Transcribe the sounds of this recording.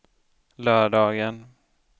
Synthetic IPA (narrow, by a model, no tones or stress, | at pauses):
lœːɖɑːɡən